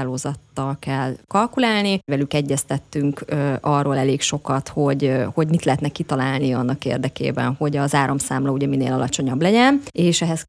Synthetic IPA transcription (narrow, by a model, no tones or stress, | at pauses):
loːzɒt̪ːɒlkɛlkɒlkulaːlnivɛlykɛɟːɛst̪ɛt̪ːyŋkɒrːoːlɛleːkʃo̞kɒt̪ho̞ɟho̞ɟmit̪lɛɦɛt̪nɛkit̪ɒlaːlniɒnːɒkḛːrd̪ɛkḛːbɛ̰nho̞ɟɒzaːɾomsaːmlɒuɟɛminḛːlɒlɒt͡ʃo̞ɲɒblɛɟɛneːʃɛɦɛs